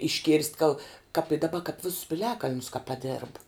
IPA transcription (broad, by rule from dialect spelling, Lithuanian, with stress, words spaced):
ɪʃʲˈkʲeːrʲsʲtʲ ɡɐlˠ kɐp ɪ dɐˈbɐ kɐp ˈʋʲɪsʊs pʲɪˈlʲæːkɐlʲnʲʊs kɐ pɐˈdʲeːrp